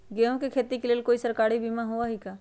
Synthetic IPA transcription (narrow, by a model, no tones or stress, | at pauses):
ɡeõkekʰet̪ikeleːlkoːisəɾkaːɾibimãɦoaɦika